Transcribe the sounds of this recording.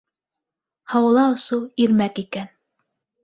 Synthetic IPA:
hɑwɤ̆lˠɑŏsowˠiɾmækikæn

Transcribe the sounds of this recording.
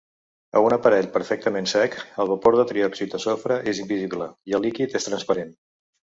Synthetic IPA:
ə̰unəpəɾɛʎpəɾfɛk̚t̪əmensɛkəlˠβəpoɾðət̪ɾiɔksit̪əsofɾəʔezimbiziβləiəlˠːikit̪est̪ɾənspəɾen

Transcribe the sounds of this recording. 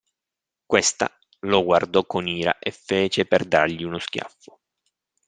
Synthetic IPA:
kwest̪a̰ | loɡward̪ɔkːoniːɾa̰ʔefeːt͡ʃeperd̪a̰rʎiunoskʲja̰fːo̥

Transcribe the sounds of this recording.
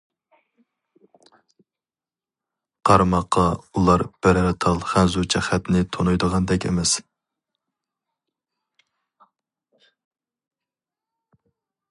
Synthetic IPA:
qʰɑɾmɑqʰːɑulˠɑɾb̥ɛɾɾɛt̪ʰɑlˠχɛnzut͡ʃʰɛχæt̪nɪt̪ʰonujd̪əʁɑnd̪ɛkʲʰḛmɛs

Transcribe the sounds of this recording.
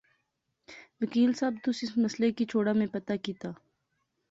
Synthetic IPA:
wɐkiːlsaːb̚t̪ʊsɪsmɐslekit͡ʃʰoːɽamẽpɐt̪akiːt̪aː

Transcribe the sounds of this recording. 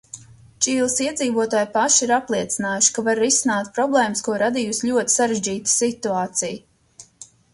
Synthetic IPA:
t͡ʃiːlˠsiɛd̪ziːvuɔt̪aːjpaʃiɾaplˠiɛt̪sinaːjuʃi̥kavaɾːisinaːt̪pɾɔblˠɛːmskuɔɾad̪ijusʎʲuɔt̪i̥saɾeʒd͡ʒiːt̪ə̥sit̪uaːt̪sij

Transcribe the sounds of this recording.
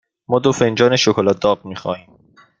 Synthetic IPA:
mɔːd̪ofend͡ʒɒːneʃokʰolæd̪ɒːʁ̚miːxɒ̰ːiːm

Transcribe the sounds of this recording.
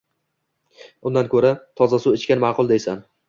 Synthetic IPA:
ʊnd̪ankʰɵɾat̪ʰɒzasʊɪt͡ʃkʲanmɑqʰʊlˠd̪ejsan

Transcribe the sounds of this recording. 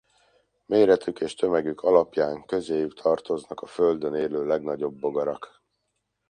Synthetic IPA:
meːɾɛt̪ykeːʃt̪ø̞mɛɡykʰɒlɒpjaːŋkø̞zeːjykt̪ʰɒrt̪o̞znɒkɒfø̞ld̪øneːløːlɛɡnɒɟo̞bːo̞ɡɒɾɒk

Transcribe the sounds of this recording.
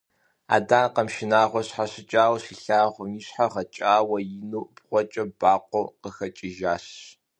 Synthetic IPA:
a̰ːdaːnqɐmʃɪnaːʁʷɔɕħaɕɪt͡ʃʼaːwɕiɬaːʁʷʊiːɕħaʁɐt͡ʃʼaːwɐjɪnuːb̥ʁʷɔt͡ʃʼɐbaːqʷɔwqəxɐt͡ʃʼɪʒaːɕ

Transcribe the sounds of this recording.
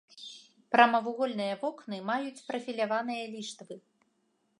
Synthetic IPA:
pɾɐmɐvuɣɔlʲnɨjɐvɔknɨmajut͡sʲpɾɐfʲilʲavanɨjɐlʲiʂt̪vɨ

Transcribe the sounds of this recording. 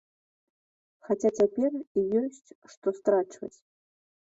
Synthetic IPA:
xat͡sʲat͡sʲapʲɛrijɔsʲt͡sʲʂt̪ɔst̪ɾat͡ʂvɐ̰t͡sʲ

